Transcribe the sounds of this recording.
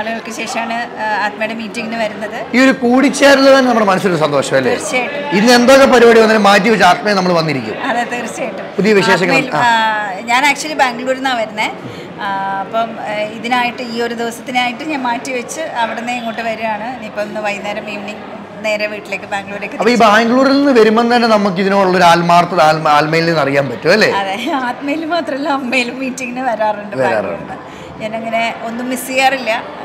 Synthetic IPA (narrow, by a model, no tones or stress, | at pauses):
ɐɭuɣɐɭkːɨɕe̞ːʂɐmaːɳɨaːt̪̚mɐjɽemiːtːiŋɡinɨʋɐɾunːɐðɨio̞ɾukuːɽit͡ɕːaːɾulːɐt̪ɐnːenɐmːɐɭemɐnɐsiloɾsɐnd̪oːʂɐmɐlːḛrt͡ɕːaːjʈːuinːɨe̞nd̪o̞ːkːepɐɾiɐːɽiʋɐnːɐːɨmaːt̬ːiʋɐt͡ɕːaːt̪̚mɐenɐmːɐɭʋɐnːiɾikʲːṵmɐðɐt̪ːert͡ɕːaːjiʈːumppuðijɐʋiʂeːʂ̬ɐŋːɐla̰ɲaːnaːk̚t͡ɕuɐlːibaːŋɡɭuːɾenːaːʋɐɾunːe | ɐpːoiðinaːjiʈːɨiːo̞ɾud̪iʋɐsɐ̥t̪ːinaːjiʈːɨɲaːnmaːtːiʋɐt͡ɕːɨɐʋiɽenːeeŋːoːʈːɨʋɐɾujaːɳɨnipːoːonːɨʋɐjneːɾɐmeːmɳiŋ | ne̞ːɾɐʋiːʈːile̞ːkːɨbaːŋɡɭuːɾleːkːɨtɐipːoibaːŋɡɭuːɾilninːɨʋɐɾumːonɨt̪ɐnːenɐmːuk̬ːiðinoːɭːɐoɾuaːlmaːrt̪ːɐðaːlmaːlmɐjilnenːɐrijaːnpɐtːuɐlːe̞̰ːɐðeaːt̪mɐjilumaːt̪rɐmelːaɐmːejilumːiːtːiŋɡinɨʋɐɾaːruɳɖɨʋɐɾa̰ːr̰ɳɖɨ | eneŋːɐne̞o̞nːumːisijaːrilːɐ